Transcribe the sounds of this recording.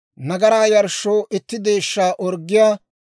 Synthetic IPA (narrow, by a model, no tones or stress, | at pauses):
nɐɡɐɾaːjɐɾʃːoːʔɪt̪ːɪd̪e̞ːʃːaːʔɔɾɡːɪjaː